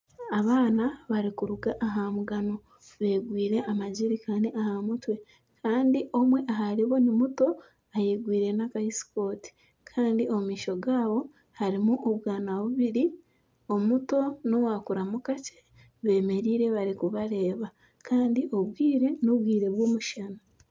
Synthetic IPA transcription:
aβaːnaβaɾikuɾuɡaʔaɦamuɡano̞ | βe̞ːɡwiːɾe̞ʔamaɟiɾikaniʔahamutwe̞ | kaːndiʔo̞mwe̞ʔaɦaɾiβo̞nimuto̞ | ajeɡwiːɾe̞nakaisi̥ko̞ːti̥ | kʰaːndio̞mumiːʃo̞ɡaːβo̞ | haɾimuʔoβwaːnaβuβiɾi | o̞muto̞nowakuɾamukace̥ | βe̞ːme̞ɾiːɾe̞βaɾikuβaɾe̞ːβa | kaːndiʔo̞βwiːɾe̞noβwiːɾe̞βwoːmuʃana

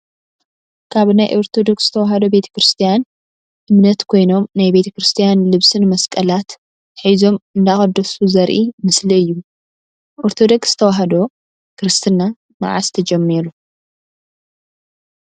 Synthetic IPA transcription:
kʰaβnajʔoɾt̪ʰo̞d̪o̞ksz̥ɨ̥t̪ʰɐwaɦɐd̪o̞be̞t̪ʰɐ̥kɾɨst̪ʰijan | ʔɨmnɐt̪kʰo̞jno̞mnajbe̞t̪ʰɐkɾɨst̪ʰijanlɨβsɨnmɐskʼɐlat̪ | ħazo̞mɨnd̪axɐd̪ːɐsuzɐɾʔimɨsliɨjːu | ʔoɾt̪ʰo̞d̪o̞ksz̥ɨ̥t̪ʰɐwaɦɐd̪o̞ | kʰɨɾɨst̪ʰɨna | ma̰ʕa̰st̪ʰɐd͡ʒɛmːiɾu

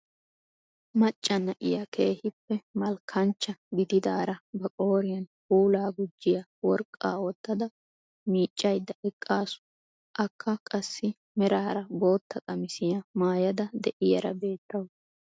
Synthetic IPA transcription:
mɐt͡ʃʼːɐnːɐʔɪjɐkʰe̞ːhɪpːɛmɐlkʰɐnt͡ʃːɐɡɪd̪ɪd̪aːɾɐbɐkʼo̞ːɾɪjɐnhuːlaːɡʊd͡ʒːɪjɐwɔɾkʼːa̰ːwɔt̪ːɐd̪ɐ | miːt͡ʃʼːɐjd̪ːɐʔɛkʼːaːsʊ̥ | ʔɐkʰːɐkʼɐsːɪ | mɛɾaːɾɐbo̞ːt̪ːɐkʼɐmɪsɪjɐmaːjɐd̪ɐd̪ɛʔɪjɐɾɐ̰be̞ːt̪ːɐw

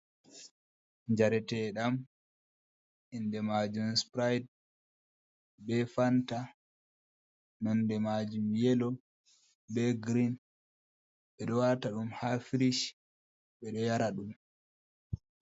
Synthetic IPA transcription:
ɲd͡ʒaɾɛtɛɗam | indɛmad͡ʒumspɾajd | bɛfanta | nɔndɛmad͡ʒumjɛlɔ | bɛɡɾin | ɓɛɗɔwaɾtaɗumhafiɾiʃ | ɓɛɗɔjaɾaɗum

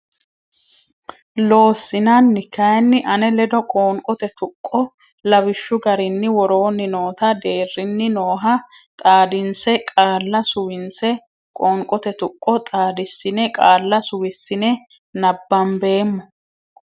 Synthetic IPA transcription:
lo̞ːsːɪnanːɪkːɐjɐnːɪʔɐnɛlɛd̪ɔkʼoːŋkʼɔt̪ɛt̪ʊkʼːɔ | lɐbɪʃːʊɡɐɾɪnːɪwɔɾo̞ːnːɪno̞ːt̪ɐd̪e̞ːrːɪnːɪno̞ːɦɐ | t̪ʼaːd̪ɪnsɛkʼaːlːɐsʊwɪnsɛ | kʼoːŋkʼɔt̪ɛt̪ʊkʼːɔt̪ʼaːd̪ɪsːɪnɛkʼaːlːɐsʊwɪsːɪnɛ | nɐbːɐmbe̞ːmːɔ

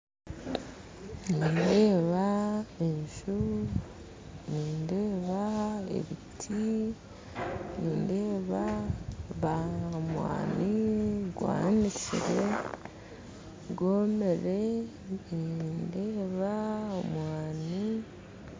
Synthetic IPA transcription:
niːnde̞ːβaeɲʃu | niːnde̞ːβae̞̰βitʰi | niːnde̞ːβa | βamwa̰ːniɡwa̰ːnicḭɾe | ɡoːmeɾe̞ | niːnde̞ːβaomwaːni

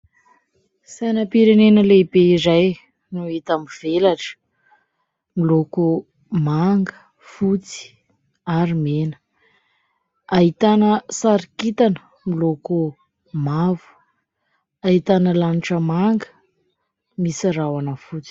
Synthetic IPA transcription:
sanəpiɾenenəlebeizaj | nuit̪amiv̥elaʈ͡ʂə̥ | miloku | maŋɡə | fut͡si̥ | aɾimenə̥ | aɦit̪anəsaɾikit̪anə | miloku | mavu̥ | ait̪anəlaniʈ͡ʂəmaŋɡə̥ | misiɾawanəfut͡si̥

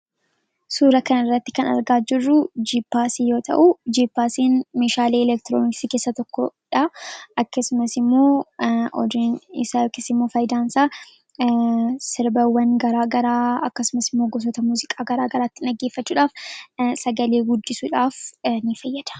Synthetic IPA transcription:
suːɾɐkɐnɐɪrːɐt̪ːɪ̥kɐnɐ̰ɾɡaːd͡ʒɪrːʊd͡ʒiːpːaːsijo̞ːt̪ʰɐ̰ʔʊd͡ʒiːpːaːsiːnmeːʃaːleːɛlɛk̚t̪ɪɾoːnɪksiːkeːsːɐt̪ɔkːɔᶑɐʔɐkːɐsʊmɐsɪmːo̞ːʔɔ̰d̪unɪ̰sakːɪsɪmːo̞ːfɐjd̪aːnsaː | sɪɾbɐwːɐnɡɐɾaːɡɐɾaːɐkːɐsʊmɐsɪmːoːɡɔs̬ɔt̪ɐmuːzɪkʼaːɡɐɾaːɡɐɾaːt̪ːɪnɐɡːeːfːɐt͡ʃːuːᶑaːfsɐɡɐleːɡʊd̪ːɪsuːᶑaːfnɪfɐjːɐd̪̥ɐ̥

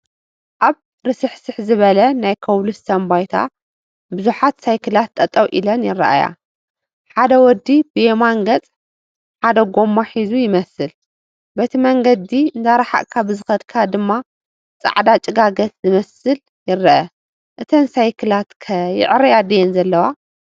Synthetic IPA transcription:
ʔaβ | ɾɨsɨħsɨħzɨβɐlɐnajkʰɐwlusːʰɐmbajt̪ʰa̰ | bɨzuħat̪sajkʰɨlat̪ʰʼːɐt̪ʼɐwʔilɐnjɪrɐ̰ʔa̰ja̰ | ħad̪ɐwɔd̪ːibɨjemaŋɡɐt͡sʼ | ħad̪ɐɡo̞mːaħizujɪmɐsɨl | bɐt̪ʰimɐŋɡɐd̪iɨnd̪aɾaħa̰ʔkʰabɨzɨxɐd̪kʰad̪ɨmːa | t͡sʼa̰ʕd̪at͡ʃʼɪɡaɡɐt̪zɨmɐsɨl | jɪrːɐʔɐ | ʔɨt̪ʰɐnsajkʰɨlat̪kʰɐjɪ̰ʕɾɐjad̪ɐjɛnzɐlːɐwa

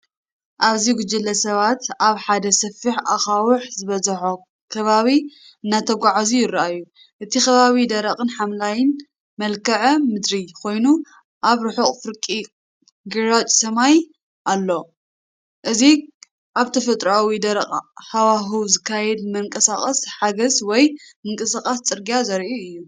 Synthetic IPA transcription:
ʔaβziɡʊd͡ʒɨlːɐsɐβat̪aβħad̪ɐsɐfːiħaxawʊħzɨβɐzɐħo | kʰɐβaβi | ɨnːat̪ʰɐɡʷaʕazujɪɾʔajːu | ʔɨt̪ʰixɐβaβid̪ɐɾɐχʼɨnħamlajɪn | mɐlkʰɐʕmɨd̪ɾikʰo̞jnu | ʔaβɾɨħuχʼfɨɾkʼi | ɡɨɾat͡ʃʼsɐmaj | ʔalːo̞ | ʔɨzi | ʔaβt̪ʰɐfɐt̪ʼɾawid̪ɐɾɐqʼħawaɦɨwzɨkʰːajɛd̪mɐŋkʼɐsaχʼɐsħaɡɐzwɔjmɨŋkʼɨsakʼast͡sʼɨɾɡijazɐɾʔiɨjːu

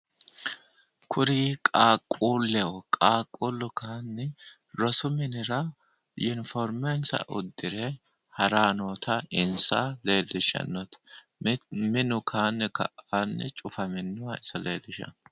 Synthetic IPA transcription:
kʰʊɾiːkʼaːkʼːuːlːɛwɔkʼaːkʼːulːʊkaːnːɛ | ɾɔsʊmɪnɪɾɐ | jʊnfɔɾmɛnsɐ̰ʔʊ̰d̪ːɪɾɛ | hɐɾaːnoːt̪ʰɐɪnsɐle̞ːd̪ɪʃɐ̰nːɔt̪ | mɪnʊkʰaːnːɪkɐ̰ʔaːnːɛt͡ʃʼʊfɐmɪnːʊwɐɪsɐleːd̪ɪʃɐ̰n

